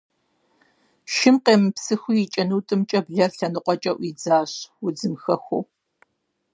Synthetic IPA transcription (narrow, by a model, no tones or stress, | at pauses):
ʃɪmqeːmɨpsɨxʷʊjit͡ʃʼɐnuːtʼɨmt͡ʃʼɐbɮɐɬɐnɨqʷʼɔt͡ʃʼɐʔʷiːd͡zaːɕwʊd͡zɨmxɐxʷo̰w